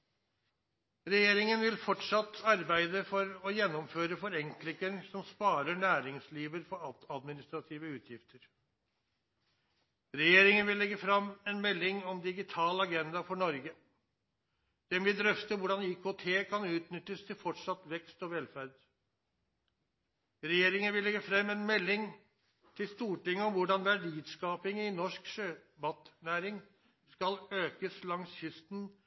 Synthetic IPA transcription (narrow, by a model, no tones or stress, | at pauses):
ɾɛjeːɾɪŋənʋɪlfɔʈʂɑt̪ːɑɾbæɪd̪əfɔɾɔjɛnːɔmføːɾəfɔɾɛŋklɪŋənsɔmspɑːɾəɳæːɾɪŋsliːʋəɾfɔɾɑɑd̪mɪnɪst̪ɾɑt̪ʰiːʋəʉːt̪ʰjɪft̪ʰəɾ | ɾɛjeːɾɪŋənʋɪlːɛɡəfɾɑmːɛnmɛlːɪŋɔmd̪ɪɡɪt̪ʰɑːlɑɡɛnd̪ɑfɔɳɔɾɡə | d̪̥ɛmʋɪd̪ɾœft̪əʋʊɖɑniːkʰot̪ʰeːkʰɑnʉːt̪nʏt̪ːəst̪ʰɪlfɔʈʂɑt̪ʋɛkst̪ɔʋɛlfæɾd̪ | ɾɛjeːɾɪŋənʋɪlːɛɡəfɾɛmːɛnmɛlːɪŋ | t̪ʰɪlst̪uːʈɪŋːəɔmʋʊɖɑnʋæɖiːd̪skɑːpɪŋɪnɔʂkʃøːbɑt̪næːɾɪŋ | skɑløːkəslɑŋsçʏst̪n